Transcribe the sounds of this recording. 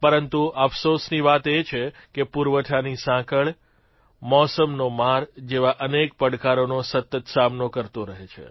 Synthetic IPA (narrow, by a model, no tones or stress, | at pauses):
pəɾənt̪uʔəfʰsosniʋat̪et͡ʃʰe | kepuɾʋəʈʰanisãkəɭ | mɔsəmnomaɾd͡ʒeʋaʔənek̚pəɽkaɾonosət̪ːət̪samnokəɾt̪oɾəɦet͡ʃʰḛ